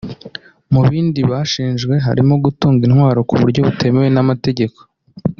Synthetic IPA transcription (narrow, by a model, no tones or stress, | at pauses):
muβiːndiβaʃiːnʒɡwe̞ɦa̰ɾimo̞ɡutuːŋɡinhwaːɾo̞kuβuɾɟo̞βutʰe̞me̞we̞namate̞ɟe̞ko̞̥